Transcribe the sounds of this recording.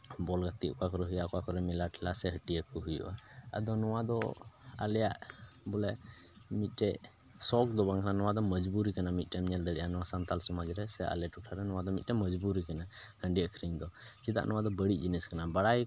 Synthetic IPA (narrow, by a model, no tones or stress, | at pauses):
bɔlɡat̪iʔkɔakɔɾɛɦujaʔkɔakɔɾɛmilaʈʰilasɛɦəʈijəkuɦujṵʔaə̰d̪ɔnɔwad̪ɔa̰lɛjaʔbɔlɛ | mit̪̚ˀʈɛ | sɔk̚d̪ɔbaŋkananɔwad̪ɔməd͡ʒbuɾikanamit̪̚ˀʈɛmɲɛld̪əɽḭʔanɔwasant̪alsɔmad͡ʒɾɛsɛʔa̰lɛʈuʈʰaɾɛnɔwad̪ɔmit̪̚ʈɛməd͡ʒbuɾikana | həɳɖiəkʰɾiɲd̪ɔt͡ʃid̪a̰ʔnʔɔwad̪ɔbəɽit̪̚d͡ʒiniskanabaɽaj